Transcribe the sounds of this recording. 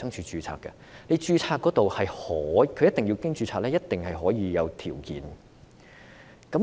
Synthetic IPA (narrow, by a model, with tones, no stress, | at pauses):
sɐ˥ŋt͡ʃʰyː˧t͡ʃyː˧t͡sʰa̰ː˧kːɐ̰˧ | ne˨˧jt͡ʃyː˧t͡sʰaː˧kːɔ˨˥t̪o˨whɐ˨jhɔː˨˥kʰɵ˨˧jɐ˥t̪ɪ˨ŋji˧wkɪ˥ŋt͡ʃyː˧t͡sʰaː˧k̚lɛː˥jɐ˥t̚t̪ɪ˨˩ŋhɐ˨jɦɔː˨˥jiː˨˧jɐ˨˧wt̪ʰiː˨˩wkḭː˨˧n | kɐ˨˥